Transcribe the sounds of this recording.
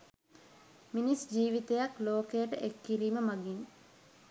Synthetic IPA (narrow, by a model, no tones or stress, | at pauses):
minisd͡ʒiːʋit̪ejakloːkejəʈəʔekːiɾiːməmaɡiŋ